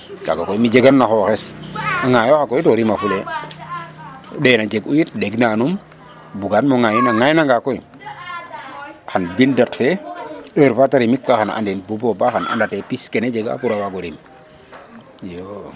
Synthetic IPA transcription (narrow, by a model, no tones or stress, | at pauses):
ka̰ɡakoimid͡ʒeɡanːaxoxesaŋajoxakojitoɾimafule | denad͡ʒeɡujit̚deɡnanum | buɡanmoŋajinaŋajnaŋɡakoji | xanbindatfeəɾfataɾimikːaxana̰ndenbubobaxana̰ndatepiskened͡ʒeɡa̰kuɾawaɡoɾim | jo